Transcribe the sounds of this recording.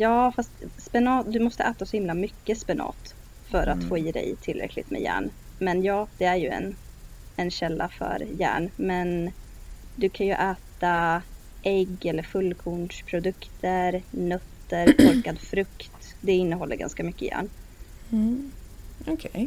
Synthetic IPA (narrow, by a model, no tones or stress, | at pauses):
jɑːfast̪spɛnɑːt̪d̪ɵmɔst̪ə̰ʔæːt̪asɔhɪmlamʏkːəspɛnɑ̰ːt̪ | fœɾʔat̪foːiːd̪ɛ̰jt̪ʰɪlɾɛ̰kʰlɪ̰t̪mɛ̰jæ̰ːɳmɛnjɑːd̪ɛæɾjɵɛ̰n | ɛnɕɛlːafœ̰ɾjæ̰ːɳmɛn | d̪ɵkʰanjɵʔæːt̪a | ʔɛɡːɛlːəɾfɵlːkʰuɳʂpʰɾʊd̪ɵkt̪ʰəɾnœt̪ːəɾʔʰɔɾkad̪fɾɵkt̪d̪ɛɪnːəɦɔlːə̰ɾɡa̰nskamʏkːəjæ̰ːɳ | ɔkʰɛj